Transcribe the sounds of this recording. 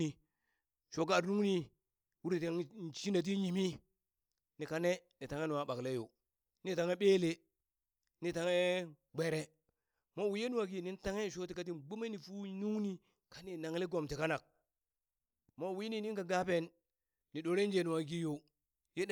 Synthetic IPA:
i˨ | ʃo˨ɡa˨nu˦ŋni˦ | wu˦ɾi˨te˨ŋ˦˨ʃi˦na˨t̬i˦ɲi˨mi˦ | ni˨ka˨ne˦ni˨ta˨ŋe˦nu˨wa˨ɓa˨kle˦jo̰˨ | ni˦ta˨ŋe˦ɓe˦le˦ | ni˨ta˨ŋe˦ | ɡ͡be˨ɾe˦ | mo˦˨wi˦je˦nu˦a˨ɡi˦ni˦n˦ta˦ŋe˦˨ʃo˦ti˨˦ka˦t̬i˦nɡ͡bo˦me˦ni˨fu˦nu˦ŋni˦ | ka˦ni˨na˨ŋle˦ɡo˨mti˨ka˦na˨k̚ | mo˦˨wi˦ni˦ni˦ka˨ɡa˦pe˦nː | i˨ɗo˨ɾe˦n˦d͡ʒe˨nu˨wa˨ɡi˦jo˨ | je˦˨

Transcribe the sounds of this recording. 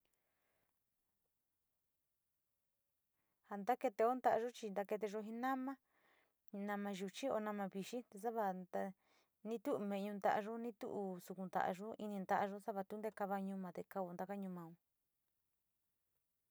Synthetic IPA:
ha˧nd̪a˦ke˧t̪e˧o˦nd̪a˧ʔa˧ʒo˦t͡ʃi˧nd̪a˧ke˧t̪̬e˧ʒo˧ɦĩ˧nã˦mã˦ | nã˧mã˧ʒu˧t͡ʃi˦o̰˧nã˧mã˧βi˧ʃi˦t̪e˧s̬a˦βa˧a˧ | nĩ˦t̪u˦ʔmẽ˧˨˧ɲũ˧nd̪a˧ʔa˧ʒo˦nĩ˦t̪ṵ˦ʔu˧su˧ku˧nd̪a̰˧˨ʔʒo˦i˧nĩ˧nd̪a˧˦ʔa˧ʒo˦sa˦βa˧t̪u˦nd̪e˦˧ka˧βa˧ɲũ˧mã˨˧t̪e˧ka˧o˧nd̪a˧ka˦ɲũ˧mã˧ũ˧

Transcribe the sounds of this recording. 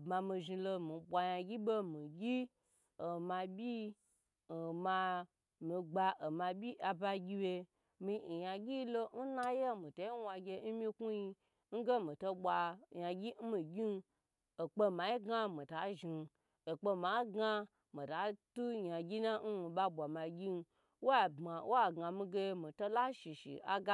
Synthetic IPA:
ma˧mi˧ʒi˧lo˧mi˨ɓʷa˧ja˧ɡʲi˦bo˦mi˨ɡʲi˦ | o˨ma˧bʲi˦˨ | ma˧ | mi˧ɡ͡ba˧ʔo˨mã˧bʲi˦ʔa˧ba˧ɡʲi˧we˧ | mi˧˨ja˧ɡʲi˦lo˧n̩˦na˦je˦mĩ˨to˨i˦wʷa˧ɡʲe˧˦n̩˦mĩ˧ku˦ji˧ | ŋ̩˦ɡe˦mĩ˨to˧ɓʷa˧ja˧ɡʲi˦mi˨ɡʲi˦n˧ | o˨k͡pe˧ma˨i˦ɡa˦mi˨ta˨˦ʒi˧n˧ | o˨k͡pe˧ma˨˦ɡa˧ | mi˨ta˨˦tu˦ja˨ɡʲi˦na˦n̩˦i˨ɓa˧ɓʷa˨ma˨ɡʲi˦n˧ | wo˦a˦˨ba˨wa˦ɡa˨mi˧ɡe˧mi˨to˦la˦ʃi˨ʃḭ˨a̰˦ɡa˦

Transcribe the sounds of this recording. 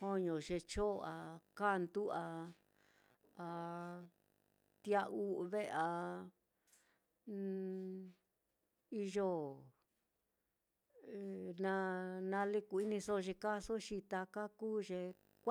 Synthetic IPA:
hõ˦ɲõ˨ʒe˧t͡ʃo˦˧a˧ka˦˨˧nd̪u˦a˧ | a˧ | t̪i˧˦a˧ʔu˦˧βe˦˧a˧ | i˧ʒo˦ | e˨nã˧nã˧li˦ku˧˨i˦nĩ˧so˦˧ʒe˧ka˦so˦ʃi˧t̪a˧ka˦kuː˦ʒe˧ | k

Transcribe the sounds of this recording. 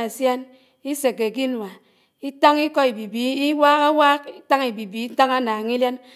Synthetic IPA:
a˨sja˦n | i˦se˨ke˨ɡi˦n˨a˨ | i˦ta˦ŋi˦kɔ˦i˨bi˨bi˦i˦waː˦ka˦waː˦k̚i˦ta˦ŋi˨bi˨bi˨i˦ta˦ŋa˦naː˨ŋi˦lja˦n

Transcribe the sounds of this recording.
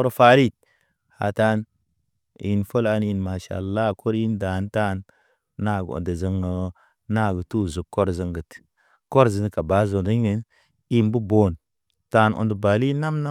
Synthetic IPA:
o˦ɾfa˨˦ɾi˦˨t̚ | ha̰˨ta˦n˨ | ji˨nfo˦la˦nji˨nma˨ʃa̰˨lːa˦˨kʰo˦ɾji˦nda˨nta˦nː | a˦˨ɡ̰o̰˨ndə˨zə˦ŋə˨˦ | na˦˨ɡə˨tu˦˨zu˨kːo˦ɾzə˨˦ŋɡə˨t | ko˦ɾzə˨n˨ka˨ba˨˦zo˨də˦ɡə˨˦n | i˦mbu˦bo˨n | ta˦˧no̰˨ndə˨ba˨li˦na˦mna˦

